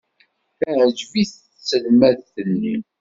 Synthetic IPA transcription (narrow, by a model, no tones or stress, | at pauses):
θæʕd͡ʒviθ | sːəlmæðθənːi